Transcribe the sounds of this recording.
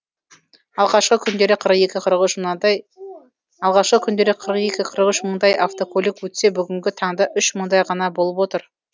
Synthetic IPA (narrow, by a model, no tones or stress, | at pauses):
ɑlˠʁɑʃqəkʲʰʏnd̪e̞ɾɪkqʰəɾəqe̞kʲɪqʰəɾəqʏʃ | ɑlˠʁɑʃqəkʲʰʏnd̪e̞ɾɪkqʰəɾəqe̞kʲɪqʰəɾəqʏʃməɴd̪ɑjʔaft̪o̞kʰolʲikwɵt̪se̞bʏɡʲɪŋɡʲɪt̪ʰɑɴd̪ɑʔʏʃməɴd̪ɑjʁɑnɑbo̞lˠəpwo̞t̪əɾ